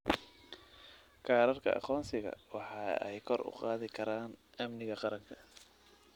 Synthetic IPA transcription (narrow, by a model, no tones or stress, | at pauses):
kʰaːɾɐrkʰɐ̰ʔɑ̰qɔːnsɪɣɐ̰wɑħɑːɛ̰jkʰɔrʊ̰qɑːðɪkʰɐɾaːn | ɐmnɪɣɐqɑɾɐŋkʰɐ̥